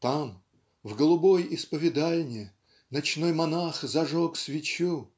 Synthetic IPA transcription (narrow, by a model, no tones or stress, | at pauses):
t̪am | vɡəlˠʊbojɪspəvʲɪd̪alʲnʲɪ | nɐt͡ɕnojmɐnaxzɐʐoksvʲɪt͡ɕu